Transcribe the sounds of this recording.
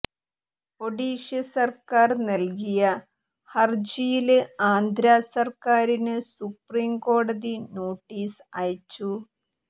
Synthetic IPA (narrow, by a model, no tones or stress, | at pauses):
po̞ɽiːʂjɐsɐrkaːrnɐlkijɐ | hɐrd͡ʑijilɨaːnd̪ʱɾaːsɐrkaːɾinɨsupriːmko̞ːɽɐðino̞ːʈːiːsaːjt͡ɕːu